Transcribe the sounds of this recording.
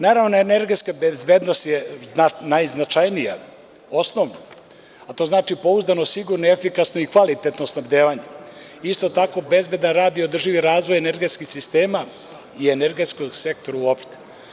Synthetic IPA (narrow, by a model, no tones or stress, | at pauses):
naːɾaːʋnoeneɾɡe̞t̪skabezbeːd̪nost̪jeanajznat͡ʃajnija̰ | o̞snoʋno | at̪o̞ːznaːt͡ʃipo̞uzd̪ano̞siɡuɾnoefikasnoikʋalit̪e̞t̪nosnabd̪eːʋaɲeist̪o̞t̪ako̞be̞zbe̞d̪anɾaːd̪iod̪r̩ʒiʋiɾaːzʋo̞jeneɾɡet̪skixsist̪e̞ːma | ieneɾɡe̞t̪skoɡse̞kt̪oɾauopʃt̪e̥